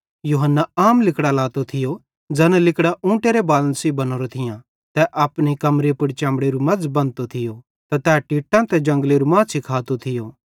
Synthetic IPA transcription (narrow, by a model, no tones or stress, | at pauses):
juːɦənːaaːmlɪkɽalaːt̪ot̪ʰɪjo | d͡zɛːnɛ̃lɪkɽaʔũːʈeːɾebaːlənsibɐnoːɾot̪ʰɪjã | t̪ɛʔaːpnekɐmɾepʊɽt͡ʃãːmɽeɾumɐd͡zbɐ̃nt̪ot̪ʰɪjo | t̪ɛt̪ɛːʈiːʈãt̪ɛd͡ʒɐ̃ŋɡleɾumãːsɪkʰaːt̪ot̪ʰɪjoː